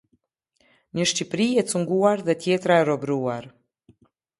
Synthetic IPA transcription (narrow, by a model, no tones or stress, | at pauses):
ɲəʃcipɾiɛt͡suŋɡuaɾðɛt̪jɛt̪ɾaɛɾɔbɾuaɾ